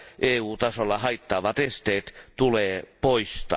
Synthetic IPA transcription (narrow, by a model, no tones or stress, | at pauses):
ʔeːuːt̪ɑsolːɑhɑit̪ːɑːʋɑt̪est̪eːt̪t̪uleːpoist̪ɑ̰